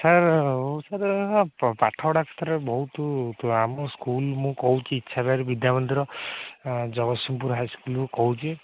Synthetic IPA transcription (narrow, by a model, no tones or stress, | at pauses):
saɾsaɾ | paʈʰɔwɽakʰɔ̥t̪ɔɾebɔɦut̪amɔskulmũkɔwt͡ʃʰiːtːʃʰabaɾebid̪jamɔnd̪iɾɔ | d͡ʒɔɡɔsimp̬uɾɦajskulukɔw̃t͡ʃʰi